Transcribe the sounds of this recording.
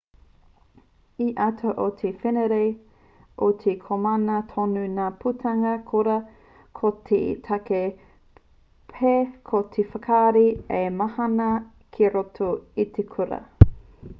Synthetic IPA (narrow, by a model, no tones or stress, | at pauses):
iʔɐtʰoʔotʰefeneɾej | ʔotʰekʰomɐnɐtʰonunaːpʰutʰɐŋɐkʰoɾɐ | kʰotʰḛtʰɐke | pʰekʰot̪ʰefɐkʰaːɾiemɐhɐnɐ | kʰeɾotʰoit̪ʰekʰuɾɐ̰